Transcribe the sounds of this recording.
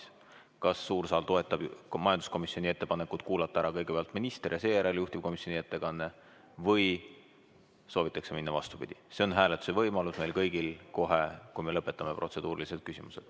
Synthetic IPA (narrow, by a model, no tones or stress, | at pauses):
kɑsːuːrsɑːlt̪o̞e̞t̪ːˑɑb̥mɑjɑnd̪̥usko̞misːˑio̞nʲie̞t̪ːepɑne̞kːˑud̪̥̚kuːlɑt̪ːˑɑæɾɑkɤ̞jɡ̥e̞peɑlt̪minist̪erjɑse̞ːjæɾeljuht̪ib̥̚ko̞misjo̞nie̞t̪ːe̞kɑnːe̞ | vɤj | so̞ːvit̪ːˑɑkseminːɑvɑ̰st̪upḭd̪̥ʲise̞o̞nɦæːlet̪ːˑu̥se̞vɤjmɑlusme̞jlkɤjɡilko̞ɦekujme̞lɤpːˑe̞t̪ːˑɑme̞pɾro̞t̪se̞d̪̥uːɾilise̞d̪̚kysimuse̞̰d̪̥